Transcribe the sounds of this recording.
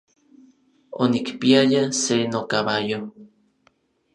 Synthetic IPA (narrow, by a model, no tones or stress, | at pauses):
onikpiajasenokaβajo